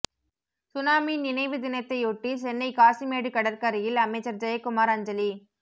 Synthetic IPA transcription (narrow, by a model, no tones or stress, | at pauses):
sʊnaːminɪnɐɪʋɯd̪ɪnɐt̪ːɐɪʊʈːisɛnːɐɪkaːsimeːɽɯkɐɽɐɾkɐɾɪjɪlɐmɐɪt͡ʃːɐɾd͡ʒɐjɐkːʊmaːɾɐɲd͡ʒɐli